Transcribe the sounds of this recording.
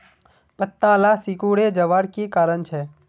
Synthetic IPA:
pət̪ːãlasikuɽed͡ʒəʋaːɽkikaːɾəɳt͡ʃʰe

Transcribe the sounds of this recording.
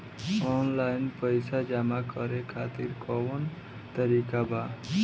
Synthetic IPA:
ɔnlaɪnpəjsad͡ʒamakəɾekʰat̪iɾkɔwən | t̪əɾikaba

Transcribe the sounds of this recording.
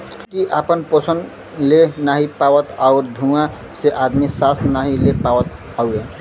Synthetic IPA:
kiʔapənposən | lenaɦipaʋət̪aʊɾd̪ʱũã | seʔad̪misasnaɦilepaʋət̪ | aue

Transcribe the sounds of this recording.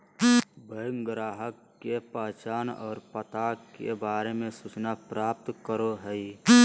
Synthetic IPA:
bəjŋɡɾaːɦəkːepəɦt͡ʃaːnɔ̰ːɾpət̪akːḛbaːɾemẽsut͡ʃnapɾaːp̚t̪kəɾoɦəi

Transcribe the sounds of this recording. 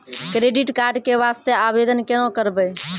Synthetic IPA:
kɾeɖiʈkaɾɖkeʋast̪eabed̪ənkenõkəɾbəj

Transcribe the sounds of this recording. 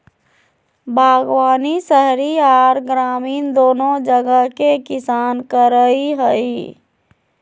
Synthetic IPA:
bʱaːɡwaːnisəɦɾiaːɾɡɾaːmiːnd̪oːnod͡ʒəɡəɦkekɪsaːnkəɾəiɦəi

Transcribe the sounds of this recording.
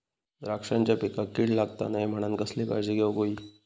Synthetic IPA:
d̪ɾakʂãɲt͡ɕjapikakiɽlaɡt̪a̰najm̤əɽ̃ãnkəsleba̰d͡ʑiɡewɡoiː

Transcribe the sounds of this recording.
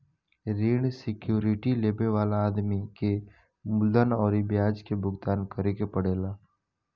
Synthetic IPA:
ɾiːɳ̃sɪkjuːɾɪʈileːbeʋaːlaːd̪mike | mʊld̪ənɔːɾibjaːd͡ʒkebʊɡt̪aːnkəɾekepəɽeːlaː

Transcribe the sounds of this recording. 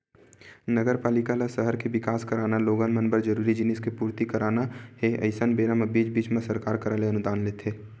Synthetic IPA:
nəɡəɾpaːlɪkalasəɦəɾkebɪkaːskəɾaːnaloːɡənmənbəɾd͡ʒəɾuːɾid͡ʒɪnɪskepuːɾt̪ikəɾaːnaheʔə̰ɪsənbeːɾəməbiːd͡ʒbiːt͡ʃmẽsəɾkaːɾkəɾəleənʊd̪aːnleːt̪ʰeː

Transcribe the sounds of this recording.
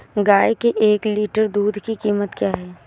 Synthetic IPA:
ɡaːekeʔeːkliːʈəɾd̪uːd̪ʱkikiːmət̪kjaːɦɛː

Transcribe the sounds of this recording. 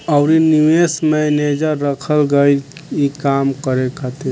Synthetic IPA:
əʊɾiniwesmɛned͡ʒəɾːəkʰəlɡəjlikamkəɾekʰət̪i

